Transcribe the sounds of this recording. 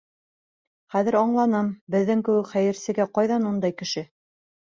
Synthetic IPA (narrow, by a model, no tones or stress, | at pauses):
χæðɘ̆ɾɑɴlˠɑnɤmbɘ̆ðːɘŋkɘ̆wɘkχæjɘ̆ɾsɘ̆ɡæqɑjðɑnund̪ɑjkɘ̆ʃɘ